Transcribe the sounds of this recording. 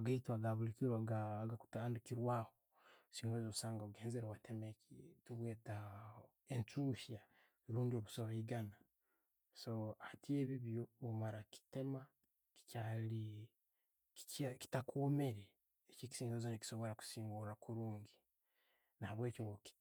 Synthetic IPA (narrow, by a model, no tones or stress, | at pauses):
aɡaitwaɡaβulikiɾwaɡaɡaku̥taːndukiɾwaːho | siːŋɡozoβusaːŋɡoβuɡeːnzeɾewatʰemekituβwe̞ːta | ent͡ʃuːʃja | ɾuːndio̞βusoβeiɡana | so̞hatieːβiβjoomaɾaki̥te̞ma | ki̥cali | i̥aki̥takome̞ɾeː | ceki̥siːŋɡozoniki̥so̞βo̞ɾaku̥siːŋɡuɾakuɾuːŋɡi | nahaβwe̞ːcoŋɡoki̥